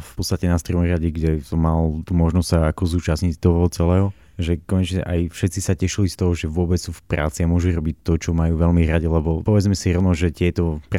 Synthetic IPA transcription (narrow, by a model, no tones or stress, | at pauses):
fpɔtt͡sst̪acɛnast̪ɾɔmɔɾaɟiɡɟɛsɔmalt̪umɔʒnɔstsaakɔzuːt͡ʃasɲict̪ɔɦɔɦɔt͡sɛlɛːɦɔ | ʒɛkɔɲɛt͡ʃɲɛʔajfʃɛt̪t͡sisacɛʃilist̪ɔɦɔʒɛʋʊɔbɛt͡ssuːfpɾa̰ːt͡siamʊɔʒuɾɔbic̚t̪ːɔt͡ʃɔmajuːʋɛlmiɾaɟɛlɛbɔpɔʋɛd͡zmɛsiɾɔʊnɔʒɛt̪ɪɛt̪ɔp